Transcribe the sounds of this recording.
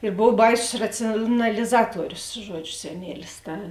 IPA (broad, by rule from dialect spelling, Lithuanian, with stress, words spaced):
ɪr ˈboːw ˈbɐɪsʊs ˌrɑːt͡sʲɪjoːnɐlʲɪˈzɑːtuɔrʲʊs ˈʒuɔd͡ʒʲʊ sʲɛˈnʲiɛlʲɪs ˈtɐ